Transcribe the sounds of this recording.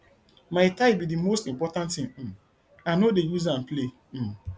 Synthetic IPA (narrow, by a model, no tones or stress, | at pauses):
maɪtaɪbidimostĩmpɔtãntɪ̃ŋ̩ | anodejuzãn̩ple